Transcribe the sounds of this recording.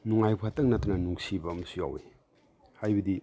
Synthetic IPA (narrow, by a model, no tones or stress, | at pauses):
nuŋajpʰatɐŋ̚natɐnɐnuŋsibɐmɐsuja̰wḛ | hajbɐdi